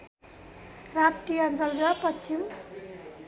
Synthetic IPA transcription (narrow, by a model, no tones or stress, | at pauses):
rapʈiʌnd͡zʌlɾʌpʌim